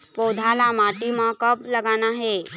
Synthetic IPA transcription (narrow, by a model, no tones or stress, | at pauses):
poːd̪ʱalamaːʈimãkəplɐɡaːnaɦɛː